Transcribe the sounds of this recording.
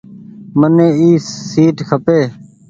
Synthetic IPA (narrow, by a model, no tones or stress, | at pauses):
mənẽːiːsiːʈkʰəpeː